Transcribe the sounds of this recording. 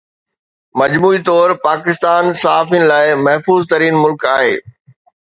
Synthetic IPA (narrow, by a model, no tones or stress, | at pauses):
mɐd͡ʑmuːit̪ɔːɾpaːkɪst̪aːnsɐɦaːfijənɪ̆laːɪmɐɦfuːzt̪ɐɾiːnmʊlkaːɦḛː